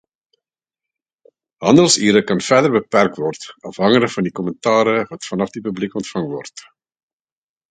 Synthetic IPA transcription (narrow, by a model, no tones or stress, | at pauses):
ɦɑndəlˠsiːɾəkɑnfɛdərbəpɛrk̚tvɔrtɐfɦɑŋələkfɐndikɔməntɑːɾəvɐtfɐnɐfdipyblikɔntfɐŋvɔrt